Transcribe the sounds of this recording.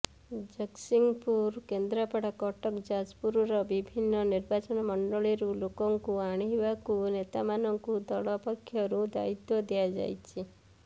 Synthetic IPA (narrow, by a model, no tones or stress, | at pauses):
d͡ʒəksiŋɡpuɾkend̪ɾəpəɽakɔʈɔkd͡ʒad͡ʒpuɾuɾɔbibʱinːɔniɾbat͡ʃɔnɔmɔɳɖɔɭiɾulokɔŋkuaɽ̃iʋakunet̪amanɔŋkud̪ɔɭɔpəkʰːjɔɾũd̪a̰it̪jɔd̪ijad͡ʒa̰jt͡ʃʰi